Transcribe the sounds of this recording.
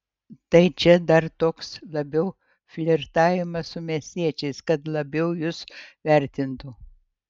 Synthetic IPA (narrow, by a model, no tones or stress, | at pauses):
t̪ɐɪt͡ʃʲɛd̪ɐɾt̪oːkslˠɐbʲɛʊ | fʲlʲɪɾt̪ɑːʋʲɪmɐssʊmʲiɛsʲt̪ʲiɛt͡ʃʲɛɪskɐt̪lˠɐbʲɛʊjʊsʋʲæˑɾʲt̪ʲɪnt̪ʊ